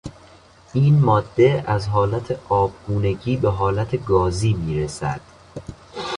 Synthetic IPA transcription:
iːnmɒːd̪ːe̞æzɦɒːlæt̪ʰeʔɒːb̚ɡ̥uːne̞ɟiːbeɦɒːlæt̪ʰeɡɒːziːmiːɾesæ̰d̪̥

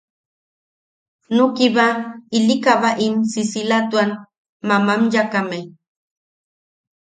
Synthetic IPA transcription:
nukiβailikaβaʔimsisilat̪uan | mamamjakamej

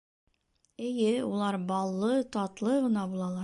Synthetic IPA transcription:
ɘ̆jɘulˠɑɾbɑlˠːɤt̪ɑt̪lˠɤʁɤ̆nɑbulˠɑlˠɑɾ

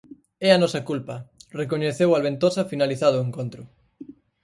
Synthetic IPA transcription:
ɛɐnɔsɐkulpɐrek̬oɲeθewalβent̪osɐfinaliθaðʊeŋkont̪ɾʊ

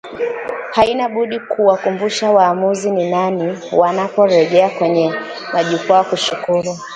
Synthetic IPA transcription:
hainaɓuɗikʰuwakumbuʃawaːmuzininaniwanapɔɾɛʄɛakwɛɲɛ | maʄukwawkuʃukuɾu

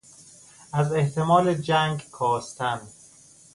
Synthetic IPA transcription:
æzeht̪ʰemɒːled͡ʒæŋɡkʰɒːst̪ʰænd̪

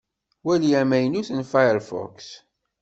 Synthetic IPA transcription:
wælijæmæjnuθənfajəɾfɔ̰ks

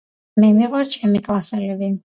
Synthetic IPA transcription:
mɛmiʁwɛɾt͡ʃʰɛmikʼlˠasɛlɛbi

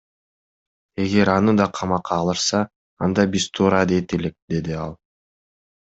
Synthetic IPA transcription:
e̞ɡe̞ɾɑnɯd̪ɑqʰɑmɑqɑːlˠɯɾsɑː | nd̪ɑbizt̪ʰuːɾɑd̪et̪elek̚d̪e̞d̪iɑ̰lˠ

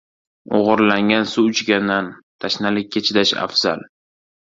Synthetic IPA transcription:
o̰ʁɨɾlaŋɡʲansuʊt͡ʃɡʲanant̪ʰaʃnalɪk̚ʲʰːet͡ʃʰɪd̪aʃa̰fz̥a̰l

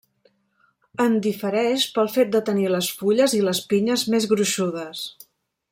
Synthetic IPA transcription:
ənd̪ifəɾɛʃpəlˠfet̪̚d̪ət̪əniləsfuʎəziləspiɲəzmezɣɾuʃuð̞əs

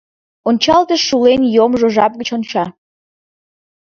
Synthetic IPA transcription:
ont͡ɕɑlt̪əʃulenjomʒoʒɑp̚ɣət͡ɕont͡ɕɑ

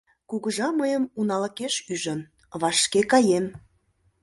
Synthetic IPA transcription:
kuɣəʒɑməjəmunɑlə̆keʃyʒə̆n | βɑʃkekɑjem

